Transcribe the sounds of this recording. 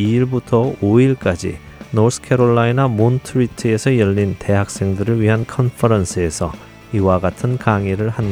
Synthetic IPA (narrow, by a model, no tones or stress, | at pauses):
iiɭbutʰʌoiɭk͈ad͡ʑḭ | nosʰɯ̥kʰe̞ɾoɭːainamontʰɯitʰɯe̞sʰʌjʌʎːinte̞ɦak̚s͈e̞ŋdɯɾɯɭɥiɦankʰʌnpʰɯɾʌnsʰɯe̞sʰʌ | iwaɡatʰɯnkaŋiɾɯɭhan